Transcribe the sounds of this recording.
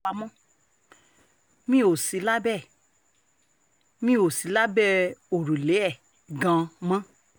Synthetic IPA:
a˧mɔ̃˦ | mĩ˦o˨si˨˧˦la˦bɛ˦˨ | mĩ˦o˨si˨˦la˦bɛ˦o˨ɾu˨le˨˦ɛ˦˨ | ɡã˧mã˦

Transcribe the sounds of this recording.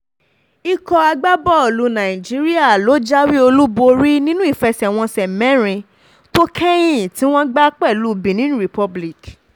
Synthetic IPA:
i˧kɔ˧a˧ɡ͡ba˦bɔ˦˨lu˧˦nã˨ĩ˨d͡ʒi˨˦ɾi˦a˦˨lo˨˦d͡ʒa˦wi˦o˧lu˦bo˧ɾi˦nĩ˦nũ˦i˦˨fɛ˧sɛ˨w̃ɔ̃˧sɛ˨mɛ̃˨˦ɾ̃ĩ˧ | to˦kʰɛ˦j̃ĩ˦˨tĩ˦w̃ɔ̃˦ɡ͡ba˦k͡pɛ˦˨lu˦˧˨bĩ˨nĩ˦nũ˦ɾi˨pɔ˧bli˦˨k

